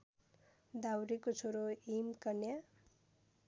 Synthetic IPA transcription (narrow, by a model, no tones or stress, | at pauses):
d̪awɾikot͡sʰoɾoimkʌnja